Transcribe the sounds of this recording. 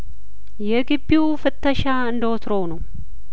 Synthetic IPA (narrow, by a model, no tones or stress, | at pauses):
jɛɡɨbːiwfɨt̪ʰːəʃaɨnd̪əot̪ʰɾownəw